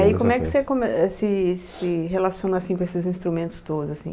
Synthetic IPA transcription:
aikõmɛkɪ̥sekõmɛsɪsɪɦelasiõnɐasĩkõesɪzĩst̪ɾumẽnt̪ʊ̥st̪od̪ʊzasḭ̃

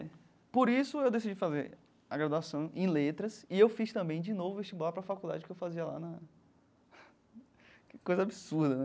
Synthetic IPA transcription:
poɾisʊewd̪esid͡ʒifazeɾ | aɡɾad̪uasɐ̃w̃ḛ̃j̃let̪ɾɐsɪewfiʃt̪ɐ̃mbẽj̃d͡ʒinovʊeʃt͡ʃibapɾɐfakud̪a̰d͡ʒɪkɪewfaziɐla̰nɐ | kojzɐabisuhd̪ɐnɛ

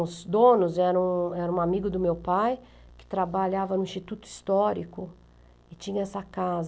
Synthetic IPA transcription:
ʊzd̪õnʊzɛɾɐ̃w̃ɛɾɐũamiɡʊd̪ʊmewpaj | kɪ̥t̪ɾabaʎavɐnʊĩst͡ʃit̪ut̪ʊi̥st̪ɔɾikʊ | ɪt͡ʃĩɲɐɛsɐkaz

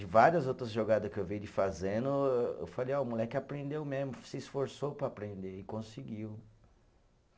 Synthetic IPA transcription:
d͡ʒɪvaɾiɐzowt̪ɾɐzʒoɡad̪ɐskɪewvijd͡ʒɪfazẽnd̪ʊḛwfalejɔʊmulɛkɪapɾẽnd̪ewmezmʊsɪsfoɾsopɾɐːpɾẽnd̪eɪkõsɪɡiw

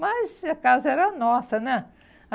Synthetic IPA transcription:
mɐzɐkazɐɛɾɐnɔsɐnɛ | ɐ

